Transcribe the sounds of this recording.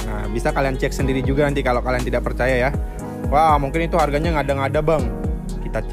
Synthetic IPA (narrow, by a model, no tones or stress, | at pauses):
ə̰bisakaliant͡ʃɛk̚səndiɾid͡ʒuɡanant̪ikalokaliant̪idaʔ̚pərt͡ʃajaja | wahmuŋkɪnit̪uharɡaɲaŋadaŋadabaŋ | kit̪a